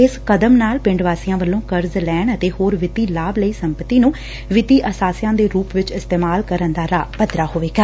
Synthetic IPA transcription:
ɪskəd̪əmnaːlpɪ̃ɳɖʋaːsɪjãːʋəlːõːkəɾzlɛːɳət̪eːhoːɾʋɪt̪iːlaːbləiːsəmpət̪iːnũː | ʋɪt̪iːʔəsaːsɪjãːd̪eːɾuːpʋɪt͡ʃɪst̪eːmaːlkəɾənd̪aːɾaːpəd̪ɾaːhoːʋeːɡaː

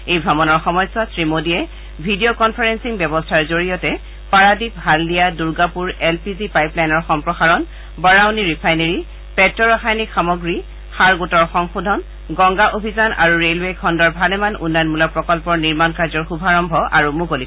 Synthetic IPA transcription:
ejbʱɹamɔnɔɹxɔmɔjswasɹimodiɛ | bʱidijokɔnpʰaɹensiŋbjɛbɔstʰaɹzoɹijɔtɛ | paɹadipɦalːijaduɹɡapuɹɛlpizipajplajnɔɹxɔmpɹɔxaɹɔn | bɔɹawniɹipʰajneɹi | pɛtɹɔɹɔxajnikxamoɡɹi | xaɹɡutɔɹxɔŋxudʱɔn | ɡɔŋɡaʔobʱizanʔa̰ɹuɹelwekʰɔndɔɹbʱalɛmanʔṵnːajɔnmulɔpɹɔkɔlpɔɹniɹmankaɹzɔɹxubʱaɹɔmbʱɔʔaɹumukoli

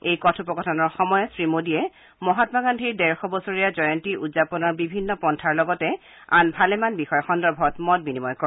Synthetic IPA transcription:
ejkɔtʰupɔkɔtʰɔnɔɹxɔmɔjɔsɹimodiɛ | mɔɦatmaɡandʱiɹdɛɹxɔbɔsoɹijazɔjɔntiʔudzapɔnɔɹbibʱinːɔpɔntʰaɹlɔɡɔtɛ | a̰nbʱalɛmanbixɔjɔxɔndɔɹbʱɔtmɔt̚binimɔjkɔ

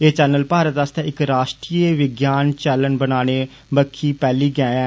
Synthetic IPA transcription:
eːt͡ʃɛːnəlpaːɾət̪ast̪ãːɪkɾaːʃʈɾiːeʋɪɡjaːnt͡ʃɛːlənbənaːñeː | bəkʰːiːpɛːliːɡɛːɛ̃ː

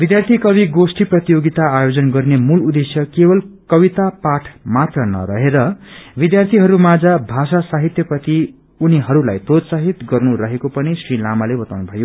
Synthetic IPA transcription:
bid̪jart̪ʰikʌβiɡosʈiprʌt̪ijoɡit̪aajod͡zʌnɡʌrnemulud̪esjʌkebʌlkʌbit̪apaʈʰmat̪rʌnʌ̰ɾʌɦeɾʌbid̪jart̪ʰiɦʌɾumad͡zabʱasasaɦit̪jʌprʌt̪i | uniɦʌɾulajt̪od̪saɦit̪ɡʌrnuɾʌɦekopʌnisrilamalebʌt̪awnubʱʌjo

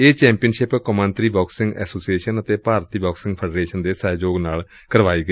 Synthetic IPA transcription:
eːt͡ʃɛ̃ːmpijənʃɪpkəmə̃nt̪ɾiːbɔːksɪ̃ŋɡɛ̰ːsoːsieːʃənət̪eːpaːɾt̪iːbɔːksɪ̃ŋɡpʰɛːɖɾeːʃənd̪eːsɛːd͡ʒoːɡnaːl | kəɾʋaːiːɡəi

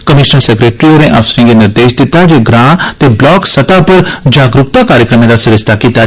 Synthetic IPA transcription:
kəmɪʃnəɾsɛkɾeːʈɾioɾẽʔafsɾĩɡenɪɾd̪eːʃd̪ɪt̪ːad͡ʒeɡɾãːt̪eblɔːksəʈ̪apəɾd͡ʒaːɡɾʊk̚t̪akaːɾjəkɾəmẽd̪asɪɾəst̪ʰakiːt̪a

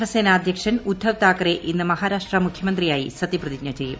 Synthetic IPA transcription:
ʋɐseːnaːd̪ʱjɐkʂɐnud̪ʱːɐʋt̪aːkɐɾeʔinːɨmɐɦaːɾaːʂʈrɐmukʰjɐmɐnd̪rijaːjḭsɐt̪ːiprɐðikɲɐt͡ɕːejːṵm

